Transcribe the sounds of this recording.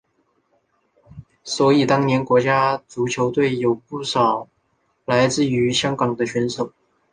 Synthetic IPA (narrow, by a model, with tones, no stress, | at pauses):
swɔ˧˥i˨˩t̪ɑ˥ŋnjɛ˧˥nkwɔ˧˥t͡ɕja˥t͡su˧˥t͡ɕʰjo˧˥ʊt̪we˥˩ɪjo˨˩ʊpu˥˩ʂɑ˨˩ʊ | la˧˥ɪt͡sɹ̩˥˩y˧˥ɕjɑ˥ŋkɑ˨˩ŋd̪ə˦ɕɥɛ˧˥nʂo˨˩˦ʊ